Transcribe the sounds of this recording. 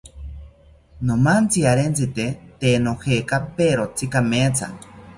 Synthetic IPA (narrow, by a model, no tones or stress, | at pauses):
nomant͡siaɾent͡sɨt̪et̪enohekapeɾot͡sikamet͡sʰa̰